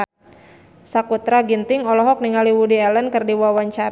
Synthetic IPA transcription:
sakut̪ɾaɡint̪ɪŋɔlɔɦɔk̚niŋaliwudiɛlənkɨrdiwawaɲt͡ʃaɾ

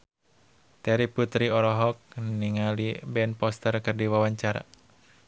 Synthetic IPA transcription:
t̪ɛɾiput̪ɾiɔɾɔɦɔk̚niŋalibɛnpɔst̪ərkɨrdiwawaɲt͡ʃaɾa̰

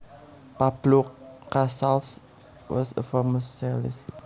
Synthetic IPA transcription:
pab̥lukːasals | wɔ̰sə̰faməssalɪs

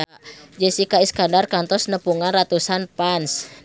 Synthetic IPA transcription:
d͡ʒəsikaiskandarkant̪ɔsnəpuŋanrat̪usanpans

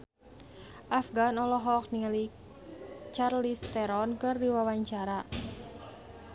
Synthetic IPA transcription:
ʔafɡanɔlɔɦɔk̚niŋali | t͡ʃarlist̪ɛɾɔnkɨrdiwawaɲt͡ʃaɾa

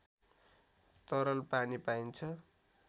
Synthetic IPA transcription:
t̪ʌɾʌlpanipaint͡sʰʌ

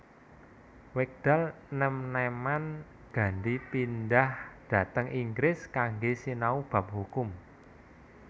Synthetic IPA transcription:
wɪk̚d̪̥al | nɛmneman | ɡ̥ä̤ndipindahd̪̥ä̤t̪əŋʔiŋɡɾɪskaŋɡesinaub̥ä̤p̚hukʊm

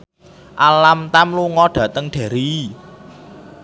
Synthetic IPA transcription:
ʔalamt̪amluŋɔɖ̥ä̤t̪əŋɖ̪̥a̤ɾi

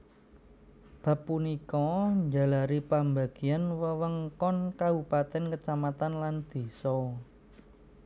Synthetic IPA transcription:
b̥a̤pːunikɔɲd͡ʒa̤laɾipambaɡ̥ianwəwəŋkɔnkabupat̪ɛnkət͡ʃamat̪anland̪̥i̤sɔ

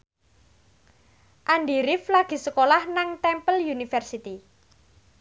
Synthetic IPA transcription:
ʔanɖiɾɪflaɡ̥i̤səkolahnaŋt̪ɛmpəljunifɛrsit̪i

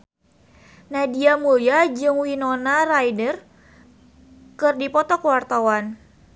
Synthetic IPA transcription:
nadiamujad͡ʒɨŋwinonarajdər | kɨrdipɔt̪ɔkəwart̪awan

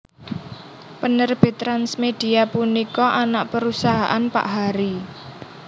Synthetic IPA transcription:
pənərb̥ɪ̤t̪ɾansmed̥i̤apunikɔʔanaʔpəɾusaɦaʔanpa̰ʔɦaɾi

